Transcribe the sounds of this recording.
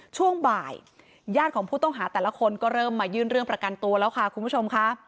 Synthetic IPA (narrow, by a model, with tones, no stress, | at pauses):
t͡ɕʰu˥˩əŋbaː˨˩j | jaː˥˩t̪̚kʰɔː˩˦pʰuː˥˩t̪ɔ˥˩ŋɦaː˩˦t̪ɛː˨˩la˧˦˥kʰo˧nkɔː˥˩ɾɤː˥˩mːaː˧jɯː˥˩nɾɯ˥˩əŋpɾa˧ka˧nt̪u˧ɐlɛː˦˥wkʰa˥˩kʰu˧mpu˦˥˩t͡ɕʰo˧mkʰa˦˥ʔ